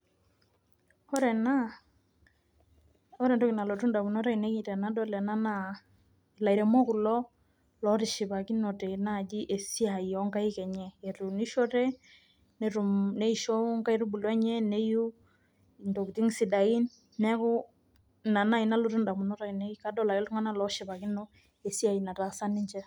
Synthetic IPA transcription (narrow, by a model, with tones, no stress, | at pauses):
ɔ˦ɾɛ˨na˦ | ɔ˦ɾɛ˨ndɔ˦ki˨na˨lo˨tu˦nda˨mu˨nɔ˦ɾa˦i˨ne˦ki˨tɛ˨na˦dɔ˦lɛ˨na˦na˦ | i˨la˨iɾɛ˨mɔ˦ku˨lɔ˦ | lɔ˨˦ɾi˨ʃi˨βa˨ki˦nɔ˨tɛ˨na˦˨d͡ʒi˦ʔe˨si˦a˨iɔ˦ŋka˦i˦kɛ˨ɲɛː˦˨ɾu˨ni˦ʃɔ˦ɾɛ˦ | nɾu˨ne˦i˦ʃɔ˦ŋka˦i˦ɾu˦bu˨lwɛ˦ɲɛ˦ne˦ju˦˨ | ndo˨ki˨ti˦ŋsi˨da˨i˦n | nɛ˦kʊ˦ | na˨na˦i˨na˦lo˨˦tu˦nda˨mu˨nɔ˦ɾa˨i˨ne˦ki˦ka˦dɔ˦la˨ɔ˦lʊ˦ŋa˦na˦lɔ˦ʃi˨pa˨ki˦nɔ˦ | e˨si˦a˨i˨na˨ta˨sa˦ni˦ɲt͡ʃɛ˦